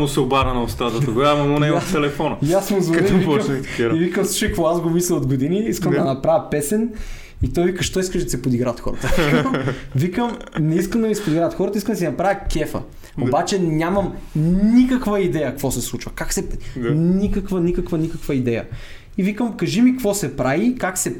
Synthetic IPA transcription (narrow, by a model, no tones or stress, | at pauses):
mʊsɛobaɾɐnɐost̪ɾad̪ɐt̪ɐɡjamɐmonɛt̪ɛlɛfɔnɐjasmozvɐd̪ɛivimt̪ivikəmsut͡ʃɛjkkvoazɡomislɛod̪ɡod̪iniiskəmd̪ɐnɐpɾavʲjɐpɛsɛn | it̪ɔjvikəʃt̪ɔiskəʃd̪ɐsɛpod̪iɡɾat̪xɔ̰ɾɐ̰t̪əmvikəm | nɛiskəmd̪ɐmisɛpod̪iɡɾaət̪xɔɾət̪əiskəmd̪sɛnɐpɾavʲjəkʲɛfə̰ | obat͡ʃɛnʲamɐmnikəkvɐid̪ɛjɐkvɔsɛslˠut͡ʃvəkaksɛnikəkvənikəkvənikəkvəid̪ɛjə̰ | ivikəmkɐʒimikvɔsɛpɾavikaksɛ